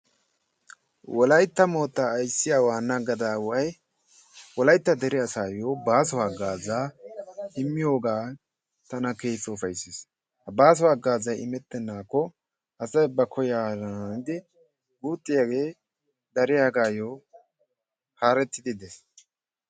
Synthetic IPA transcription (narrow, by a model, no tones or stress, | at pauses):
wʔɔlɐjt̪ːɐmo̞ːt̪ːaːjsːɪjaːwaːnːɐɡɐd̪aːwɐj | wɔlɐjt̪ːɐd̪ɛɾɪɐsaːjoːbaːs̬ɔwaːɡaːzaː | ɪmːɪjo̞ːɡaː | t̪ɐnɐke̞ːt͡sːɔːfɐjses | hɐbaːs̬ɔwaːɡaːzɐjɪmɛt̪ːɛnːaːkːɔ | ʔɐsɐjbːɐkʰɔjaːɾnɪd̪ɪ | ɡuːt̪ʼːɪjaːɡe̞ː | d̪ɐɾɪjaːɡaːjoː | haːɾɛt̪ːɪd̪ɪd̪es